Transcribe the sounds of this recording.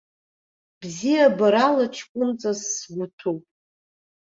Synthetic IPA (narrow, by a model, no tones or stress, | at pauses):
bzijabaɾalaʈ͡ʂʷʰkʷʼʊnt͡sʼasːɡʷutʰowpʼ